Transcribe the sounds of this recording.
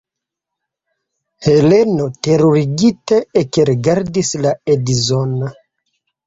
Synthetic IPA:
he̞le̞no̞te̞ɾoɾiɡiteːkeɾiɡaɾdislaedizona

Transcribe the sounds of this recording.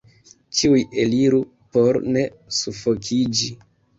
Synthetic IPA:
t͡ʃiuje̞liɾu | po̞ɾne̞ | sufo̞kʰid͡ʒi

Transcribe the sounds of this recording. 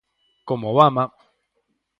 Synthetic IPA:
komoβama

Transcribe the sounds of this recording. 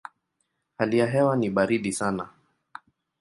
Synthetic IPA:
halijaɦɛwaniɓaɾiɗisana

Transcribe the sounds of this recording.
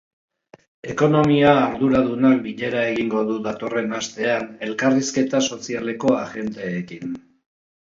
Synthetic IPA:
e̞ko̞no̞miaːɾðuɾaðunak̚biʎe̞ɾae̞ɣiŋɡo̞ðuðat̪o̞re̞nast̪e̞ane̞lkariske̞t̪aso̞siale̞ko̞aɣe̞nt̪eːkin

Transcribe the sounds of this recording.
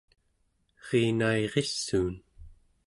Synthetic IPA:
ʁiːnaeʁesːuːn

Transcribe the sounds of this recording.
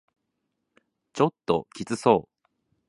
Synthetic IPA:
t͡ɕo̞t̪ːo̞̰kʲit͡sɨso̞ː

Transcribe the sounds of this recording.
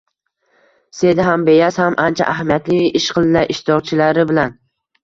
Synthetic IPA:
se̞d̪ɪɦambe̞jashamʔant͡ʃʰa̰ʔaɦamijat̪lɪɪʃqʰɨlˠɪnaʔɪʃt̪ɒʁt͡ʃʰɪlaɾɪbɪlan

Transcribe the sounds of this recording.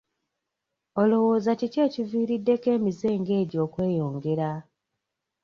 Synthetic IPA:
olo̞wo̞ːzacice̞ːciviːɾidːe̞ke̞ːmize̞ːŋɡe̞ːɟo̞ːkwe̞ːjo̞ːŋɡe̞ɾa

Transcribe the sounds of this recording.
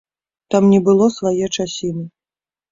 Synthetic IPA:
t̪amnʲɛbɨlˠɔsvajɛt͡ʂasʲinɨ

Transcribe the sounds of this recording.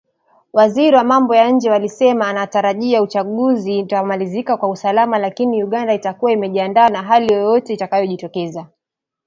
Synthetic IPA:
waziɾiwamambɔjaɲ̩d͡ʒɛwalisɛmaːnataɾaʄiaut͡ʃaɠuzitamalizikakwausalamalakiniuɠandaitakuwaimɛʄiandaːnaɦalijɔjɔtɛitakajɔʄitɔkɛza

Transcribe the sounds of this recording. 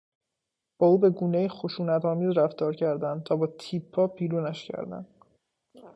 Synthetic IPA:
b̥ɒːuːbe̞ɡuːnejixoʃuːnæt̪ʰɒːmiːzɾæft̪ɒːɾcʰæɾd̪ænd̪t̪ʰɒːbɒːt̪ʰiːpʰːɒːpʰiːɾuːnæʃcʰæ̰ɾd̪æ̰nd̪

